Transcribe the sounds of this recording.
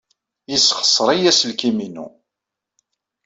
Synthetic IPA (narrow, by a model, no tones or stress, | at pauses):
jisχə̥sˤːɾˤijæsəlkiminṵ